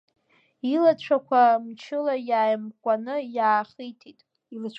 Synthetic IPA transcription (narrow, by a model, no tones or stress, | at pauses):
ilat͡ɕʷʰakʷʰamt͡ʃʰɪlajaːjmkʷʼanɨjaːχijtʰitʼ | ilɨt͡ɕʷʰ